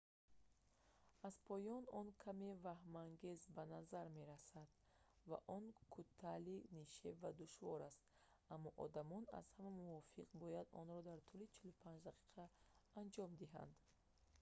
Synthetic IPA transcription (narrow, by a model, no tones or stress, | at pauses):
azpʰɔjɔnɔnkʰamevahmaŋɡe̞zbanazaɾme̞ɾasad̪̥ | va̰ʔɔnkʰut̪ʰːaliniʃevad̪uʃvɔɾast̪ | amːɔʔɔ̰d̪amɔna̰z̥hamamuvɔfiqbɔjad̪ɔ̰nɾɔd̪aɾt̪ʰulit͡ʃʰilupʰãnd͡ʒd̪aqʰi̥qʰaːnd͡ʒɔmd̪iɦa̰nd̪